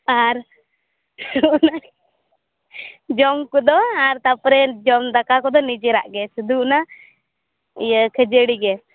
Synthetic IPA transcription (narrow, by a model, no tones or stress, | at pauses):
aɾ | una | d͡ʒɔmkɔd̪ɔaɾt̪apɾɛd͡ʒɔmd̪akakɔd̪ɔnid͡ʒɛɾa̰ʔɡɛsud̪una | kʰəd͡ʒəɽiɡɛ